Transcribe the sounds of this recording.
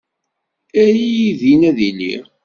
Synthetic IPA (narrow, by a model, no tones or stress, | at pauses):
æjiiðinæðilḭʁ